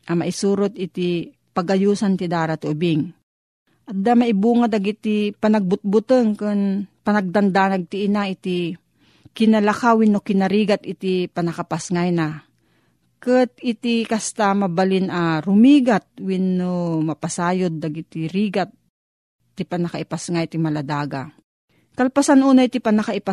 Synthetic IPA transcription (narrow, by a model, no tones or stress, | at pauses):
ʔamaʔɪsuːɾot̪̚ɪt̪i | paɡʔajuːsant̪ɪd̪aːɾat̪oʔʊbɪŋ | ʔad̪amaʔɪbuːŋad̪aɡit̪ipanɐɡ̚bʊt̪̚bʊt̪ɨŋkɨnpɐnɐɡ̚d̪and̪anaɡ̚t̪iʔːnaʔɪt̪i | kɪnɐlakawɪnːokɪnɐɾiːɡat̪ɪt̪ipɐnɐkapasŋajna | kɨt̪̚ɪt̪ikɐst̪amɐbalɪnʔaɾʊmiːɡat̪̚wɪnːomɐpasaːjod̪̚ːaɡɪt̪iɾiːɡat̪̚ː | ipɐnɐkaʔɪpasŋajt̪imɐlɐd̪aːɡa̰ | kɐlpasanʔuːnait̪ipɐnɐkaʔɪpa